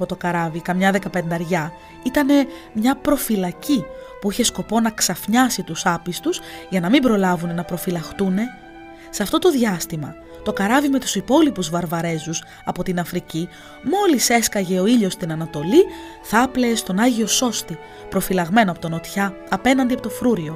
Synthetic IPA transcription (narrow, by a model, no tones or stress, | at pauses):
pot̪o̞kɐɾɐvikɐmɲɐðekɐpe̞nd̪ɐɾʝɐ | it̪ɐne̞ | mɲɐpɾo̞filɐcipuiçe̞sko̞po̞nɐksɐfɲɐsit̪usɐpist̪uz̥ʝɐnɐmimbɾo̞lɐvune̞nɐpɾo̞filɐxt̪une̞ | seɐft̪o̞t̪o̞ðʝɐst̪imɐ̰ | t̪o̞kɐɾɐvime̞t̪u̥sipo̞lipuzvɐɾvɐɾe̞zus | ɐpo̞t̪inɐfɾici | mo̞lise̞skɐʝe̞o̞iʎo̞st̪inɐnɐt̪o̞li | θɐpleːst̪o̞nɐʝio̞so̞st̪i | pɾo̞filɐɣme̞noɐpo̞t̪ono̞t̪çɐ | ɐpe̞nɐnd̪iɐpot̪ofɾuɾio̞